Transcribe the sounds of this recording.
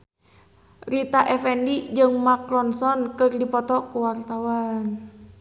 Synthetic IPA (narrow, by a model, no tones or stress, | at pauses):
rit̪aʔɛfɛndid͡ʒɨŋmaklɔnsɔnkɨrdipɔt̪ɔkuwart̪awan